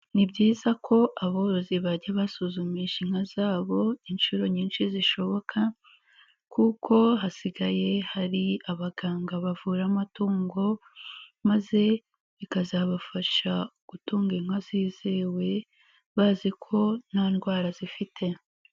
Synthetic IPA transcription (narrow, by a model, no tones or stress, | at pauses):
nibɟiːzakʰo̞ʔaβoɾoziβaɟaβasuzumiʃiŋhazaːβo̞inʃuɾo̞ɲiːnʃiziʃo̞βo̞kʰa | kʰuko̞ɦasiɡaje̞haɾiaβaɡaːŋɡaβavuːɾamatuːŋɡo̞ | maze̞ | βikazaβafaʃaɡ̥utuːŋɡeŋwaziːzeːwe̞ | βazikʰo̞nanɡwaːɾazifitʰe̞